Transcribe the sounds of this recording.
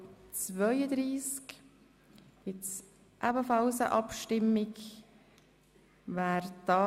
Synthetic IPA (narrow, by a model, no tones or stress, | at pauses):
t͡svœʏəd̪ɾiːsk | ɡɪts | ʔæbəfɑlsə̰ʔɑpʃtɪmɪɡ | væːɾd̥ɑ